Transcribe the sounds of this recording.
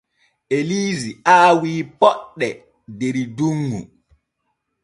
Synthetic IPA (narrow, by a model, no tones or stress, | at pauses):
eliːziaːwiːpɔɗːɛ | deɾiduŋːṵ